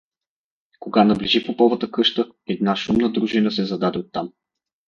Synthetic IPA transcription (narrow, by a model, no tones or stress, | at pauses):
koɡanɐbliʒipopɔvət̪əkɤʃt̪ə | ɛd̪̚naʃumnəd̪ɾuʒinəsɛzɐd̪ad̪ɛot̪ːam